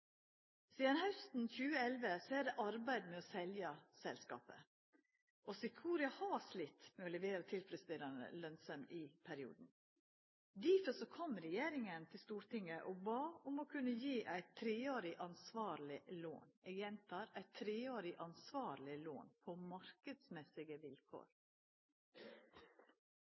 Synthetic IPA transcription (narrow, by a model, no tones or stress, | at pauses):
siːd̪ɑnhœʉst̪n̩çʉːəɛlʋəsɔæd̪ɛʔɑɾbæɪd̪mɛɔsɛljɑsɛlskɑ̰ːpə̰ | ʔɔsɪkʰuːɾɪɑhɑːslɪt̪ːmɛɔlɛʋeːɾət̪ʰɪlfɾɛsɪd̪eːɾɑnə̰lœnsəmʔɪpʰæɾɪṵːd̪n̩ | d̪iːfəsɔkʰɔmɾɛjeːɾɪŋənt̪ʰɪlst̪uːɾt̪ɪŋəʔɔbɑːʊmɔkʰʉnːəjiːʔæɪt̪ʰːɾeːoːɾɪʔɑnsʋɑːɾlɪlo̰ːnɛɡjɛnt̪ʰɑːɾæɪt̪ʰːɾeːoːɾɪʔɑnsʋɑːɾlɪlo̰ːnpʰɔmɑɾkəd̪smɛsɪɡəʋɪlkʰo̰ːɾ